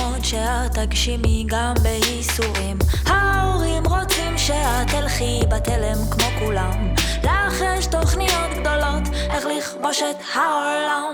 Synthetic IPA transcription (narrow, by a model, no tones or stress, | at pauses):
ot̪ʃehat̪aɡʃimiɡambeisuʁimhaoʁimʁot͡simʃehat̪elχibat̪elemkmo̞kulamleaχjɛʃt̪oχnijo̞t̪ɡ̚d̪o̞lo̞t̪ʔeχliχmoʃet̪haolam